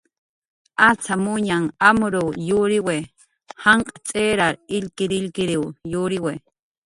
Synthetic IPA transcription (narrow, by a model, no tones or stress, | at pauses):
at͡samʊɲaŋamʊɾojuɾɪwe | haɴqʼḁt͡sʼeɾaɾɪʎkɪɾɪlkɪɾiwjuɾɪwe